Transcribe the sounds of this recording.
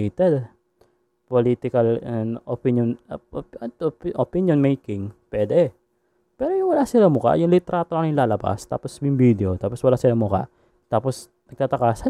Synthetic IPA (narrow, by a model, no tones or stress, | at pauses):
t̪ɛd̪ | polit̪ɪkalɛnopinjɔn | t̪pʔopinjɔnmejkɪŋpɛd̪ɛ | pɛːɾojʊŋwɐlaʔsɪlamʊka̰ʔjʊŋlit̪ɛɾat̪oʔaŋjɪnlaːlɐpa̰st̪a̰ːpɔsmʊŋbid̪ɛot̪aːpɔswɐlaʔsɪlamʊka̰ | t̪aːpɔs | nɐɡ̚t̪at̪ɐkaːsa